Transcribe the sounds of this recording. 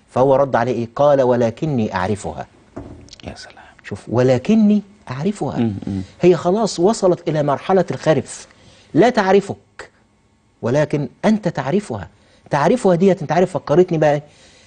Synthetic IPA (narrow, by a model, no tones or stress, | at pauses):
fæhowːæɾˤɑd̪ːʕaleːʔeːqɑːlæwælæːkɪnːiːʔa̰ʕɾɪfʊ̰hæ̰ː | ʃuːfwɪlæːkɪnːiː | ʔaʕɾɪfʊhæ̰hɪjːæxɑlɑːsˤwɑsˤɑlɑt̪ʔɪlæːmɑɾˤħalælxæɾɪf | læːt̪aʕɾɪfʊk̚ | wɪlæːkɪnʔænt̪æt̪aʕɾɪfʊhæ̰ː | t̪aʕɾɪfʊhæd̪iːhæt̪ɪnt̪ʕaɾɪfːɑkːɑɾˤet̪nibæʔæ